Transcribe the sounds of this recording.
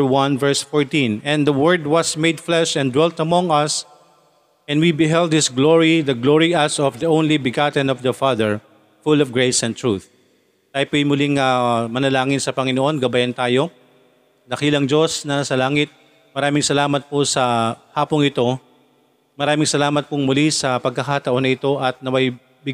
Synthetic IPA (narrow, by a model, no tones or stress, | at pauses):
wɐ̃nvɛɹsfɔɹt̪ĩnɛ̃nd̪ɐwɛɹd̪̚wɐsmejd̪flɛʃɛ̃nd̪wɛlt̪ɐmɔ̃ŋɐs | ɛ̃nd̪wibɪɦɛld̪̚hɪsɡloɹiðɐɡloɹiɐsɔfd̪ɐʔõwnlibɪɡat̪ɛ̃nɔfd̪ɐfaðɛɹ | fulɔvɡɹejsɛnt̪ɹuθ | t̪aːjpojmʊliŋɐmɐnɐlaːŋɪnsɐpɐŋɪnoʔo̞nɡɐbɐjɐnt̪aːjo̞ | nɐkiːlɐŋd͡ʒo̞snɐsɐlaːŋɪt̪̚ | mɐɾaːmɪŋsɐlaːmɐt̪̚posɐhaːpoŋɪt̪o̞ | mɐɾaːmɪŋsɐlaːmɐt̪̚pʊŋmʊlisɐpɐɡ̚kɐkat̪ɐʔo̞nɐɪt̪o̞ʔɐt̪̚nɐmɐj | bɪ